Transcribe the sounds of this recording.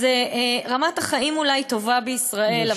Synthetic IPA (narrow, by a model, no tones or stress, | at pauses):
zeʁamat̪aχaimulajt̪o̞vabeisʁae̞la